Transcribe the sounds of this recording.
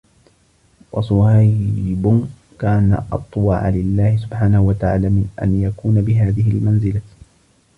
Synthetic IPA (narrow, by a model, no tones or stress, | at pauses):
wɑsˤʊhajbʊ | kaːna̰ʔɑ̰t̪ˤːwɑ̰ʕa̰lɪlːaːhɪsʊbħaːnahuwat̪aʕa̰ːlaːmɪnʔa̰njakuːnabɪɦaːðɪhɪlmanzɪla